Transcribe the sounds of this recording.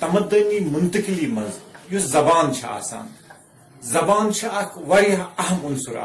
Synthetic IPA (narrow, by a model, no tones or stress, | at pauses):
t̪ɐmɐd̪ɐniːmʊnt̪ɐkiliːmɐnzjuzɐbaːnt͡ʃʰɐa̰ːsa̰ːn | zɐbaːnt͡ʃʰɐʔɐkʰʋɐɾijɐɦɐɦɐmʊnsuɾa̰